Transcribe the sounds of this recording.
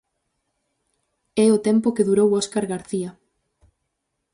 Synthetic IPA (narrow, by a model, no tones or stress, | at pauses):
ɛʊt̪ɛmpʊkeðuɾowɔskaɾɣaɾθia